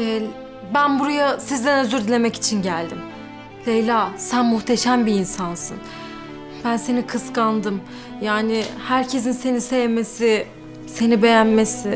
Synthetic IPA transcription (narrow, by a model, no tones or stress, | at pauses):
ɛ | bænbuɾajasizd̪ænøzyɾd̪ilʲemɛci̥t͡ʃʰinɟælʲd̪im | lejlʲaːsænmuht̪ʰe̞ʃæmbiːnsansɯ̰n | bænse̞nikʰɯskand̪ɯm | jaːnɪhæɾcʰe̞s̬inse̞nisejeme̞sɪ | se̞nibe̞jænmesɪ